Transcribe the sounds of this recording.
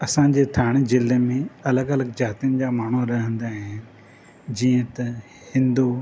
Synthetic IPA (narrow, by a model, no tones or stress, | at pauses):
ɐsãːɲ̆d͡ʑeːt̪ʰaːɽ̃zɪlemẽɐləɡɐləɡd͡ʑaːt̪ijənɪ̆d͡ʑaːmaːɳ̤uɾɐɦə̃nd̪aɦɪnɪ̆ | d͡ʑiːə̃t̪ɐ | hɪ̃nd̪uː